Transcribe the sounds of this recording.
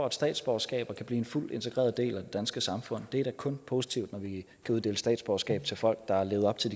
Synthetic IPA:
ɒæd̥sd̥ɛ̰ːd̥sb̥ɒsɡ̥ɛ̰ːb̥ɐkʰæb̥liːe̝nful̰d̥e̝nt͡sʰe̝ɡ̥ʁɛ̰ːɐð̞ˠde̝̰ːlæd̥e̝d̥ænsɡ̥əsɑ̈mfɔ̽n̰d̥e̝æɐɾ̥ækʰɔ̽npʰo̝ːsit͡sʰiʊd̥nɒʋi | kʰæuðˠd̥e̝̰ːləsd̥ɛ̰ːd̥sb̥ɒsɡ̥ɛ̰ːb̥t͡sʰe̝lfɒ̽l̰ɡ̥̚d̥ɑ̈æɐle̝ːʊɒ̽b̥t͡sʰe̝ldi

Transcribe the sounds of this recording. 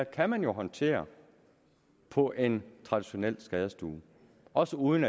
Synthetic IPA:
kʰæmænjo̝ɦɒ̽nt͡sʰe̝̰ːɐ | pʰɒ̽ʔe̝nt͡sʰʁɑ̈d̥iɕo̝nel̰sɡ̥ɛːð̞ˠɐsd̥uː | ɒ̽səuːð̞ˠnæ

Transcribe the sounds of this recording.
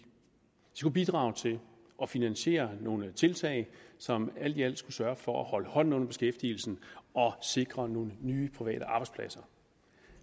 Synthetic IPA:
i̥skub̥id̥ʁɑ̈ːʊt͡sʰe̝ | ʔɒ̽finænɕe̝̰ːɐno̝ːnət͡sʰe̝lt͡sʰɛ̰ɪsɒ̽mæl̰d̥iæl̰d̥sɡ̥usɶɐfɒ̽æhɒ̽ləhɒ̽n̰n̩ɔ̽n̰ɐb̥e̝sɡ̥efd̥il̩sn̩ɒ̽se̝ɡ̥ʁɐno̝ːnənyːpʰʁiʋɛ̰ːɾ̥əʔɑ̈ːb̥ɑ̈ɪ̥spʰlæsɐ

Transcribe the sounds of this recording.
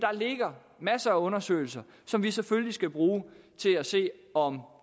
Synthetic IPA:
d̥ɑ̈le̝ɡ̥ɐ | mæsɐæɔ̽nɐsø̰ɪl̩sɐ | sɒ̽mʋiseføllisɡ̥æb̥ʁuːt͡sʰe̝læse̝̰ːɒ̽m

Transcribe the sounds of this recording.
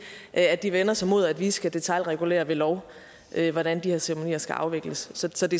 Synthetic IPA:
ʔæd̥iʋenɐsɒmo̝ð̞̰ˠæd̥ʋiːsɡ̥æd̥e̝t͡sʰɑlʁɛɡ̥ule̝̰ːɐʋe̝lɒʊ | ʔøʋɒd̥ænd̥iheɐseʁɐmo̝nḭːɐsɡ̥æʔɑ̈ʊʋeɡ̥ləsːɒ̽sɒ̽d̥e̝

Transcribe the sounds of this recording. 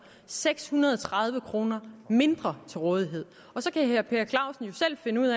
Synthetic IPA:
seɡ̥shunɐð̞ˠɒt͡sʰʁɑ̈ðˠʋəkʰʁo̝ːnɐme̝nd̥ʁɐt͡sʰe̝lʁɔ̽ːð̞ˠiɦe̝ð̰ˠ | ɒ̽sɒ̽kʰæheɐpʰe̝ːɐkʰlɑ̈ʊsn̩jo̝sel̰fe̝nəuð̰ˠæ

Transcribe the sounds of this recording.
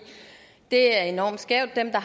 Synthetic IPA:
d̥e̝æɐe̝nɒ̰ːmd̥sɡ̥ɛʊ̰d̥ːemd̥ɑ̈ɦ

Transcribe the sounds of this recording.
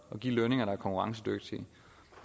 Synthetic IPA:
ɒ̽ɡ̥ḭːløne̝ŋɐɾɑæɐkʰɒ̽ŋkʰuʁɑ̈ŋs̬əd̥øɡ̥̚d̥i

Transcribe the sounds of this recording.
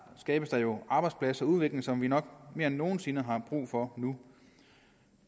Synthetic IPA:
sɡ̥ɛːb̥əsd̥ɑ̈jo̝ɑ̈ːb̥ɑ̈ɪd̥spʰlæsɐɒuð̞ˠʋe̝ɡ̥le̝ŋsɒ̽mʋinɒ̽ɡ̥me̝ɐenːo̝ːn̩se̝nəɦɑ̈b̥ʁṵːfɒ̽nu

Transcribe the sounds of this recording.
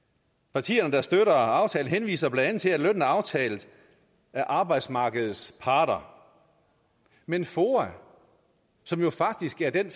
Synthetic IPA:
pʰɑ̈t͡sʰḭːɐnəd̥ɑ̈sd̥øɾɐɑ̈ʊt͡sʰɛːln̩ɦenʋḭːsɐb̥lænd̥ænð̩ˠt͡sʰe̝læløn̰n̩æɑ̈ʊt͡sʰɛːlð̩ˠ | æɐʔɑ̈ːb̥ɑ̈ɪd̥smɑ̈ːɡ̥əð̞̩ˠspʰɑ̈ːd̥ɐ | menfoːæ | sɒ̽mjo̝fɑ̈ɡ̥̚d̥isɡ̥æɐd̥en

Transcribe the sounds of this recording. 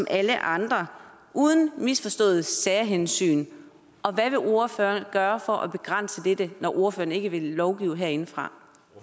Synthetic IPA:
sɒmʔæləʔɑ̈nd̥ʁɐ | ʔuːð̞ˠn̩misfɒ̽sd̥ɔ̰̽ːð̩ˠsæːɐɦensy̰ːn | ʔɒ̽ʋæʋe̝ʔo̝ɐføːɐnɡ̥ɶːɐfɒ̽ʔɒ̽b̥e̝ɡ̥ʁan̰səd̥ed̥ənɒʔo̝ɐføːɐne̝ɡ̥əʋe̝lːɒʊɡ̥iːʊɦeɐ̰e̝nəfʁɑ̈

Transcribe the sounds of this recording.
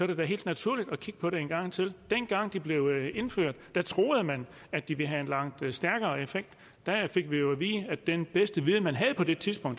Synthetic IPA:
sɒ̽ɾ̥ɐd̥æɦe̝̰ːld̥næt͡sʰuɐlid̥ɒ̽kʰiɡ̥əpʰɒ̽ɾeenɡ̥ɑ̈ŋ̰t͡sʰe̝ld̥enɡ̥ɑ̈ŋ̰d̥ib̥le̝ʊe̝nføɐ̰d̥ːæt͡sʰʁo̝ːð̩ˠəmæn | æd̥d̥iʋe̝ɦæe̝nlɑ̈ŋ̰d̥sd̥æɐɡ̥ɐːefeɡ̥̚d̥ː | æfe̝ɡ̥ʋijo̝æʋḭːsəæd̥enb̥esd̥əʋiðˠmænɦæð̞̩ˠpʰɒ̽d̥e̝t͡sʰiðˠsb̥ɔ̽ŋ̰d̥

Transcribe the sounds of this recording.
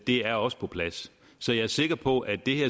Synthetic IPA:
d̥e̝æɐɒ̽sə̥pʰɒ̽pʰlæs | sɒ̽jɑ̈æɐse̝ɡ̥ɐpʰɒ̽ʔæd̥e̝heɐ̰

